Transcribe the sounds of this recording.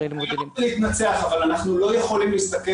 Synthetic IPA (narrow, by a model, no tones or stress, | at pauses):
leit̪nat͡se̞aχavalanaχnulo̞je̞χo̞limlist̪ake